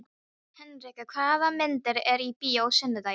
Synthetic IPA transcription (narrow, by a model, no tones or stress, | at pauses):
hɛnrɪkakʰvaːðamɪnt̪ɪɾɛɾipiːowsɛnːɪt̪a